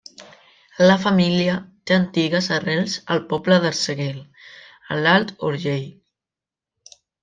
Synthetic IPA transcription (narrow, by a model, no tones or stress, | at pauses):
ələfamiljət̪eant̪iɣəzarɛlˠsə̰lpɔpləðəlsəɣel | ə̰lalt̪oɾʒej